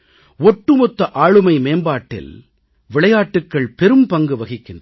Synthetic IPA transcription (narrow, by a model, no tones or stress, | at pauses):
ɔʈːɯmɔt̪ːɐʔaːɻɯmɐɪmeːmbaːʈːɪ̰l | ʋɪɭɐjaːʈːɯkːɐɭpɛɾɯmpɐŋɡɯʋɐɣɪkːɪn